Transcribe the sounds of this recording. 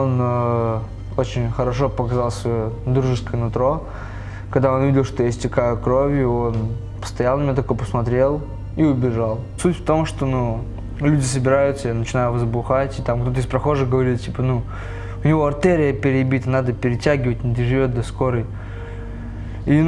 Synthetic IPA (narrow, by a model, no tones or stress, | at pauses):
onə | o̞t͡ɕɪnʲxəɾɐʂ̬o̞pəkɐzalˠsʲvɐjod̪ɾuʐɨskəjənʊt̪ɾo̞ | kɐɡd̪ao̞nvʲidʲɪlˠʂt̪o̞jesʲtʲɪkajʊkɾo̞vʲjʊo̞n | pə̥st̪ɐjanːəmʲot̪ɐkojpəsmɐt̪ɾʲe̞lˠ | iʊbʲɪʐalˠsutʲft̪o̞mʂt̪o̞nu | lʲudʲɪs̬əbʲɪɾajʊt̪səjanət͡ɕɪnajʊvəzbʊxatʲɪt̪amkt̪o̞t̪əispɾɐxo̞ʐɨxɡəvɐɾʲit̪tʲipənu | ʊnʲɪvo̞ɐrt̪eɾʲɪjəpʲɪɾʲɪbʲit̪ənad̪əpʲɪɾʲɪtʲæɡʲɪvətʲnʲɪd̪əʐɨvʲo̞t̪̚d̪ɐsko̞ɾəj | i